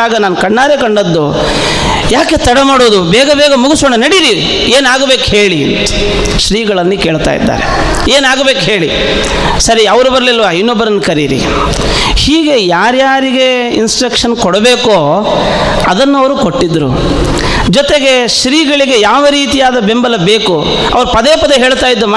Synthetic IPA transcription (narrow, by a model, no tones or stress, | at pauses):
aːɡɐnaːnukɐɳːaːɾekɐɳɖɐd̪ːu | jaːke̞t̪ɐɽɐmaːɽoːd̪ubɛːɡɐbɛːɡɐmuɡusoːɳɐnɐɽiɾi | eːnaːɡɐbeːkɦe̞ːɭḭnt̪u̥ | ʃɾiːɡɐɭɐnːike̞ːɭt̪a̰ːjḭd̪ːa̰ːɾḛ | eːnaːɡɐbeːkɦe̞ːɭi | sɐɾiɐʋɐɾubɐɾɐlilʋainːɔbːɐɾɐnːkɐɾiɾḭ | hiːɡe̞jaːɾjaːɾiɡe̞ | insʈɾɐkʂɐnkɔɽɐbeːkoː | ɐd̪ɐnːɐʋɐɾukoʈːid̪ːɾṵ | d͡ʒɔt̪eɡe̞ʃɾiːɡɐɭiɡe̞jaːʋɐɾiːt̪ijaːd̪ɐbembɐlɐbeːku | ɐ̰ʋɐɾupɐd̪eːpɐd̪eɦeːɭt̪aːjid̪ːuma